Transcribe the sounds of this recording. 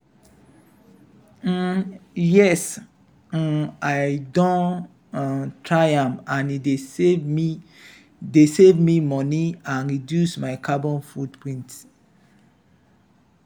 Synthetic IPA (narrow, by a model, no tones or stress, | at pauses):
jɛs̩ | aɪdɔ̃n | tʰɹajãmãnideevmi | desevmimɔniãnɹidjusmaɪkʰabɔ̃nfudpʰɹĩnt